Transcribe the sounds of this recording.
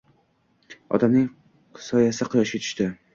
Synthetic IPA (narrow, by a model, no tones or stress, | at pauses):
ɒ̰t̪ʰamnɪŋ | sɒjasɪqʰʊjɒʃket̪ʰɪ̥ʃt̪ɪ